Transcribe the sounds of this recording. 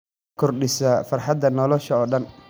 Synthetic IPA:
kʰɔrɖɪsɐfɐrħɑd̪ɐnɔlɔʃɐɔːɖɐn

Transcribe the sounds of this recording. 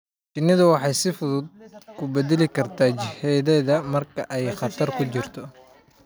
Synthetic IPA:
t͡ʃɪnɪðɐwɑħɑjsɪfʊðʊd̪̚kʰʊbɛd̪ɛlɪkʰɐrt̪ʰaːt͡ʃɪhɛjðɛjðɐmɐrkʰɐʔɛjχɑt̪ʰɐrkʰʊt͡ʃɪrt̪ʰɔ

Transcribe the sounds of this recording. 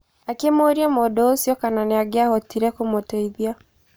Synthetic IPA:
akemoɾiamodɔosjɔkananeaɡeahɔtiɾɛkomotɔiðia

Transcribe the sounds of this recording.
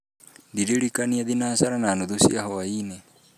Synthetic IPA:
ndiɾeɾikaniaðinasaɾanaːnuðusḭaɦɔaine

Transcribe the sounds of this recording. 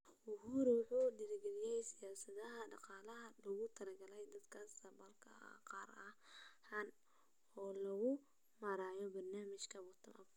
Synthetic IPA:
ʊhuːɾwʊħuːdɪɾɪɡɛlɪjɛjsɪjaːsɐðɐɦɐɖɑqɑːlɐɦɐlɐɣʊt̪ʰɐlɐɡɐlɛjd̪ɐd̪kʰaːsɐbɐlkʰɐqɑːɾɐhhɐn | ɔːlɐɣʊ | mɐɾaːjɔbɐrnaːmɪʃkʰɐwɐt̪ʰɐnɐf

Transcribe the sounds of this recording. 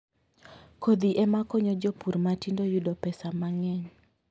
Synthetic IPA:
kod̪iʔɛmakɔɲɔd͡ʒopuɾmatindojudɔpɛsamaŋɛɲ

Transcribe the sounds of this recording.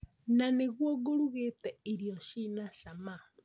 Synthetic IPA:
naneɣwoɣoɾuɣetɛiɾijɔʃinaʃama

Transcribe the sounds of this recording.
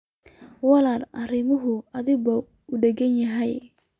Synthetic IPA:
wɑlaːlɐrɪmʊɦʊɐðɪβɔ | ʊɖɛɡɐnjɐɦɛj

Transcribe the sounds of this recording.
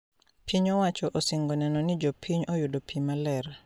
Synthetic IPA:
pʰiɲɔwat͡ʃɔʔosiŋɡɔnɛnɔnɪd͡ʒɔpʰiɲɔjudopʰimalɛr

